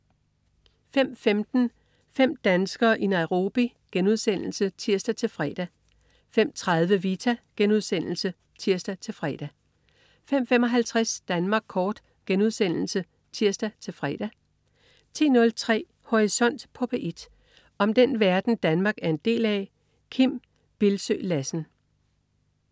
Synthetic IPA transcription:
fem̰femd̥n̩ | fem̰d̥ænsɡ̥ɐːʔinɑ̈ɪʊʁo̝ːb̥i | ɡ̥enuð̞ˠsen̰l̩sət͡sʰiɐsd̥æt͡sʰe̝lfʁɛ̰ːd̥æ | fem̰t͡sʰʁɑ̈ð̞ˠʋəʋiːt͡sʰæɡ̥enuð̞ˠsen̰l̩sə | t͡sʰiɐ̰sd̥æt͡sʰe̝lfʁɛ̰ːd̥æ | fem̰fem̰ɒ̽ɦælt͡sʰʁasd̥ænmɑ̈ːɡ̥̚kʰɒːd̥ | ɡ̥enuð̞ˠsen̰l̩sə | t͡sʰiɐ̰sd̥æt͡sʰe̝lfʁɛ̰ːd̥æ | t͡sʰe̝̰ːnɔ̽lt͡sʰʁɛ̰ː | ho̝ʁisɒ̽n̰d̥pʰɔ̽pʰeʔe̝d̥ | ɒ̽md̥enʋæɐd̥n̩d̥ænmɑ̈ːɡ̥æɐe̝nd̥e̝̰ːlæ | kʰim̰ | b̥e̝lsø̰ːlæsn̩

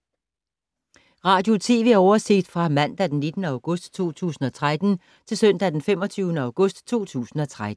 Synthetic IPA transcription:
ʁɑ̈ːd̥jo̝t͡sʰe̝̰ːʋe̝æɐɒʊɐse̝ɡ̥d̥fʁɑ̈mæn̰d̥æd̥enːid̥nəɑ̈ʊɡ̥ɔ̽sd̥t͡sʰo̝̰ːt͡sʰṵːsn̩ɒ̽t͡sʰʁad̥n̩ | t͡sʰe̝lsœn̰d̥æd̥enfem̰ɒ̽t͡sʰyːʊnəɑ̈ʊɡ̥ɔ̽sd̥t͡sʰo̝̰ːt͡sʰṵːsn̩ɒ̽t͡sʰʁad̥̩

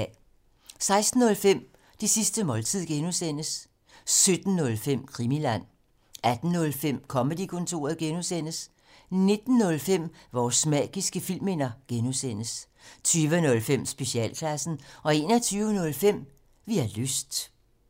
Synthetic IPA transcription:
sɑ̈ɪsd̥n̩ːɔ̽lfem̰ | d̥isisd̥əmɒ̽lt͡sʰið̰ˠɡ̥enusen̰əs | sød̥n̩ːɔ̽lfem̰kʰʁimilæn̰ | æd̥n̩ːɔ̽lfem̰kʰɒ̽məd̥ikʰɔ̽nt͡sʰo̝̰ːɐðˠɡ̥enusen̰əs | ne̝d̥n̩ːɔ̽lfem̰ʋɒːsmɛ̰ːɡ̥isɡ̥əfil̰me̝nɐɡ̥enusen̰əs | t͡sʰyːʋənɔ̽lfem̰sb̥e̝ɕiɛ̰ːlkʰlæsn̩ɒ̽e̝ːnɒt͡sʰyːʊənɔ̽lfem̰ | ʋiæløsd̥

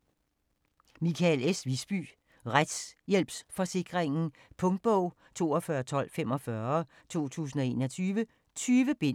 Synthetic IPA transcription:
mikʰælesʋisb̥y̰ː | ʁad̥sjel̰b̥sfɒ̽se̝ɡ̥ʁeŋn̩ | pʰɔ̽ŋd̥̚b̥ɔʊ̰ | t͡sʰo̝̰ːɒfɶːɐt͡sʰɒ̽l̰fem̰ɒ̽fɶɐ | t͡sʰo̝̰ːt͡sʰṵːs̬n̩ɒ̽e̝ːnɒt͡sʰyːʋə | t͡sʰyːʋəb̥en

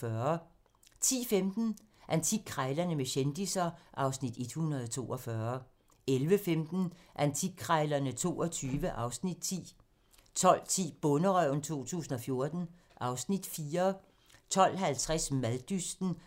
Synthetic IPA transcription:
ɶɐ | t͡sʰḭːfemd̥n̩ | ʔænt͡sʰiɡ̥̚kʰːʁɑɪlɐnəmeɕend̥isɐʔɑ̈ʊsnid̥e̝d̥hunɐðˠt͡sʰo̝̰ːʔɒfɶɐ | elʋəfemd̥n̩ʔænt͡sʰiɡ̥̚kʰʁɑɪlɐnət͡sʰo̝̰ːɒt͡sʰyːʋəʔɑ̈ʊsnid̥̚t͡sʰḭː | t͡sʰɒ̽l̰t͡sʰḭːb̥ɔ̽nəʁœʊ̰n̩t͡sʰo̝̰ːt͡sʰṵːsn̩ɒ̽fjo̝ɐd̥n̩ | ʔɑ̈ʊsnid̥fiːɐ | t͡sʰɒ̽l̰ɦælt͡sʰʁasmæðˠd̥ysd̥n̩

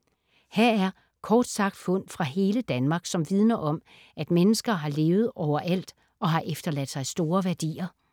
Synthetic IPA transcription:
hæɐ̰æɐ | kʰɒːd̥sɑ̈ɡ̥̚d̥fɔ̽n̰fʁɑ̈ɦe̝ːləd̥ænmɑ̈ːɡ̥sɒ̽mʋið̞ˠnɐʔɒ̽m | ʔæd̥menəsɡ̥ɐɦɑ̈le̝ːʊð̞̩ˠɒʊ̰ɐʔæl̰d̥ | ʔɒ̽ɦɑ̈ʔefd̥ɐlæd̥sɑ̈ɪsd̥o̝ːɐʋæɐd̥ḭːɐ

